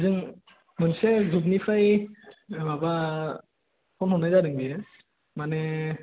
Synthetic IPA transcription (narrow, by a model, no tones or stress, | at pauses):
zɯŋ | mɯnsezub̚nipʰaj | baba | pʰɔnhɔnːajzaɾɯŋbi | mane